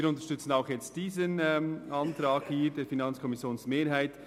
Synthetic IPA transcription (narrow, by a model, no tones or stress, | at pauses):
ɾʊntə̥ʃtʏt͡sn̩aʊxjɛt͡std̥iːzənɛmʔɑntɾaːkhiːɾdeːɾfinɑnt͡skʰɔmɪsjoːnsmeːɾɦaɪt